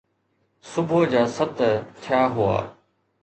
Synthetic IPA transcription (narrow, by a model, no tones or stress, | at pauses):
sʊbʱod͡ʑaːsət̪t̪ʰɪjaːɦʊa̰ː